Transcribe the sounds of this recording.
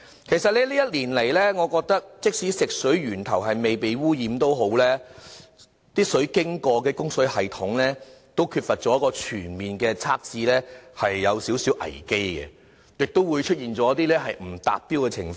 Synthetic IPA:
kʰe˨˩jsɐ˨t̚lɛː˥liː˥jɐ˥t̚liː˨˩nle˨˩jlɛː˥ŋɔː˨˧kɔː˧k̚t̪ɐ˥k̚t͡sɪ˥k̚si˨˥sɪ˨k̚sɵ˨˥ɥɥyː˨˩nt̪ʰɐ˨˩wɦɐ˨jme˨jpe˨jwuː˥jiː˨˥mt̪o˥wɦo˨˥wlɛː˥ | t̪iː˥sɵ˨˥ɥkɪ˥ŋkɔː˧kɛː˧kʊ˥ŋsɵ˨˥ɥhɐ˨jt̪ʰʊ˨˥ŋlɛː˥t̪o˥wkʰyː˧t̚fɐ˨t̚t͡sɔː˨˥jkɔː˧t͡ʃʰyː˨˩nmiː˨˩nkɛː˧t͡sʰaː˥k̚t͡siː˧lɛ˥hɐ˨jːɐ˨˧wsiː˨˥wsiː˨˥wʔɐ̰˨˩jke˥jɡɛ̰˨ | jɪ˨k̚t̪o˥wwu˨˧jt͡ʃʰɵ˥t̚jiː˨nt͡sɔː˨˦˥t̪iː˥lɛː˥ɦɐ˨jm̩˨˩t̪a̰ː˨p̚piː˥wkɛː˧t͡sʰɪ̰˨˩ŋfɔː˧˦

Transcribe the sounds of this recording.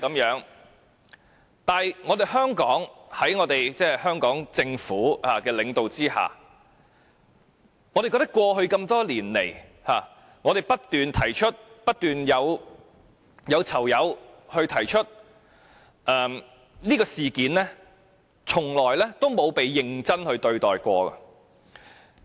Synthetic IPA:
kɐ˨˥mjœː˨˥ŋ | t̪aː˨jŋɔː˨˧d̪e˨jhœː˥ŋkɔː˨˥ŋhɐ˨˥jŋɔː˨˧t̪e˨jt͡sɛː˥˩hœː˥ŋkɔː˨˥ŋt͡sɪ˧ŋfuː˨˥haː˨˩kɛː˧lɪ˨˧ŋt̪o˨wt͡siː˥ha̰ː˨˩ | ŋɔː˨˧ɾe˨jkɔː˧t̪ɐ˥kwɔː˧ɦɵ˧ɥkɐ˧mt̪ɔː˥liː˨˩nlḛ˨˩jhaː˨˩ | ŋɔː˨˧t̪e˨˩jpɐ˥t̚t̪yː˨nt̪ʰɐ˨˩jt͡ʃʰɵ˥t̚pɐ˥t̚t̪yː˨njɐ˨˧w | jɐ˨˧wt͡sʰɐ˨˩wjɐ˨˧whɵ˧ɥt̪ʰɐ˨˩jt͡ʃʰɵ˥t̚ | ʔɛː˨m | niː˥kɔː˧siː˨kiː˨˧˥nlɛː˥ | t͡sʰʊ˨˩ŋlɔː˨˩jlɛː˥t̪o˥wmo˨˧wpe˨jːɪ˧ŋt͡sɐ˥nhɵ˧ɥt̪ɵ˧ɥt̪ɔː˨jkʷɔ̰ː˧ɡɐ̰˧

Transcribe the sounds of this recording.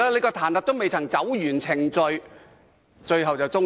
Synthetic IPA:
aː˥le˨˧kɔː˧t̪ʰaː˨˩nt̪ɐ˨˩t̪o˥wme˨jt͡sʰɐ˨˩ŋt͡sɐ˨˥wjyː˨˩nt͡sʰɪ˨˩ŋt͡sɵ˧ɥ | t͡ʃɵ˧ɥɦɐ˨wt͡sɐ˨˩wt͡sʊ˥ŋ

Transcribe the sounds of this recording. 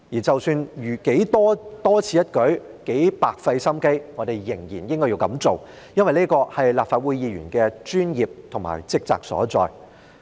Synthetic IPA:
jiː˨˩t͡sɐ˨wsyː˧njyː˨˩ke˨˥jt̪ɔː˥t̪ɔː˥t͡sʰiː˧˥jɐ˥t̚kɵ˨˥ɥke˨˥jpaː˨k̚fɐ˧jsɐ˥mke˥jŋɔ˨˧t̪e˨jjɪ˨˩ŋjiː˨˩njɪ˥ŋkɔ˥ji˧wkɐ̰˨˥mt͡so˨w | jɐ˥nwɐ˨jneː˥kɔː˧hɐ˨jlaː˨pfaː˨t̚wuː˨˧jjiː˨˧ɥyː˨˩nkɛː˧t͡ʃyː˥njiː˨p̚t̪ʰʊ˨˩ŋma̰ː˨˩jt͡sɪ˥k̚t͡sa̰ː˨k̚sɔ̰ː˨˥t͡sɔ̰ː˨j

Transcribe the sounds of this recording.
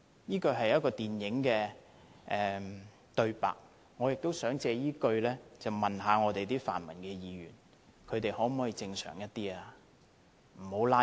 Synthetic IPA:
jiː˥kɵ˧ɥɦɐ˨jɐ˥t̚kɔː˧t̪iː˨njɪ˨˥ŋkɛː˧ | ʔɛː˨˧ | t̪ɵ˧ɥpa̰ː˨k̚ | ŋɔː˨˧jɪ˨k̚t̪o˥wsœː˨˥ŋt͡sɛː˧jiː˥kɵ˧ɥlɛː˥t͡sɐ˨wmɐ˨nɦaː˨˧ŋɔː˨˧t̪e˨jt̪iː˥fa̰ː˨˩nmɐ̰˨˩nkɛː˧jiː˨˧jyː˨˩n | kʰɵ˨˧ɥt̪e˨jhɔː˨˥m̩ː˨˥ji˨˧t͡sɪ˧ŋsœ̰ː˨˩ŋjɐ˥t̚t̪iː˥aː˨˧ | m̩˨˩ho˨˥wlaː˥

